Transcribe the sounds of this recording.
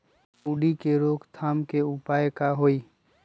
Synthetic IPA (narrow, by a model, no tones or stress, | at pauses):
uːɖikeɾoːkt̪ʰaːmkeʊpaːjkaɦoːiː